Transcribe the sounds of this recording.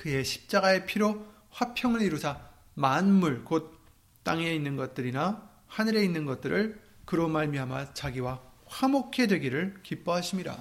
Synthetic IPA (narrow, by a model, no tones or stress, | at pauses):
kɯe̞ɕʰi̥p̚t͡ɕ͈aɡae̞pʰiɾo | ɸwapʰjʌŋɯɾiɾusʰa | manmuɭkot̚ | t͈aŋe̞inːɯnɡʌt̚t͈ɯɾina | hanɯɾe̞inːɯnɡʌt̚t͈ɯɾʔɯɭkɯɾomaɭmiɦama̰t͡ɕaɡiwaɸamokʰe̞dwe̞ɡiɾɯɭkip͈ʌɦaɕʰimɲiɾa̰